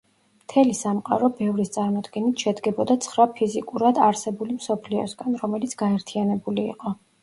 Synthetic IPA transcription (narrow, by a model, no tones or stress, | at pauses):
mt̪ʰɛlisamqʼa̰ɾɔbɛvɾist̪sʼaɾmɔd̪ɡɛnit̪ʰʃɛd̪ɡɛbɔd̪at̪sʰχɾapʰizikʼuɾad̪aɾsɛbulimsɔpʰliɔ̰sɡanɾɔmɛlit̪sʰɡ̥aɛɾt̪ʰianɛbuliḭqʼɔ